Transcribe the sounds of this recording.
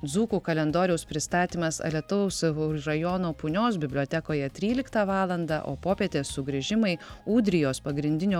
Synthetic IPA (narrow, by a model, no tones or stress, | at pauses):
d̪zuːkuːkɐlʲɛnd̪oːɾʲɛʊspʲɾʲɪst̪ɑːt̪ʲiːmɐsɐ̰lʲiɛt̪ʊʋɛʊsɾɐjɔːnoːpʊnʲoːs̬bʲɪbʲlʲoːt̪ʲɛkoːjɛt̪ʲɾʲiːlʲɪkt̪ɑʋɑːlˠɐnd̪ɑ̰ʔo̰ːpoːpʲeːt̪ʲeːssʊɡɾʲɪʒʲɪmɐɪuːd̪ʲɾʲɪjoːspɐɡɾʲɪnʲd̪ʲɪnʲoː